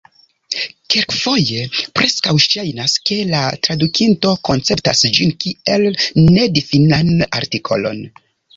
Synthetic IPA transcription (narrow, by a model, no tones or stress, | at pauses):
kelkfo̞je̞pɾe̞skawʃajnaske̞latɾadukʰinto̞ko̞nt͡se̞ptasd͡ʒinkielne̞difinana̰ɾtikʰo̞̰lo̞̰n